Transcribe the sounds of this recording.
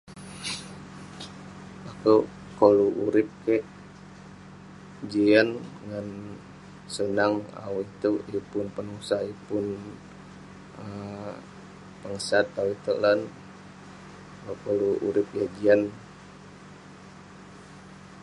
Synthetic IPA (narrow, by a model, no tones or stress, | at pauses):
akə | koluʔuɾɪp̚kɛʔ | d͡ʒian | ŋan | sənaŋa̰wit̪ujupʊnpənusajupʊn | ə | pəŋəsat̪̚awit̪ṵlan | akoluʔṵɾɪp̚jad͡ʒian